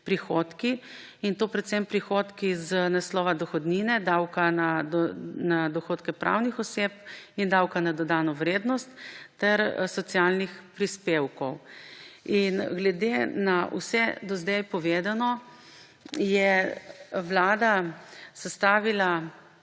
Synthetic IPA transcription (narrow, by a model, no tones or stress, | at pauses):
pɾixot̪ki | int̪oːpɾɛt̪sɛmpɾixoːt̪kiznaslɔːʋad̪ɔxɔd̪ninɛd̪awkana | nad̪ɔxoːt̪kɛpɾʔa̰wnixɔseːp̚ind̪awkanad̪ɔd̪aːnɔʋɾeːd̪nɔst̪ːɛɾsɔt̪sjalnixpɾispewkɔw | inɡlɛd̪enaṵsɛd̪ɔzd̪ɛjpɔʋeːd̪anɔ | jɛ | ʋlaːd̪asɛst̪aːʋila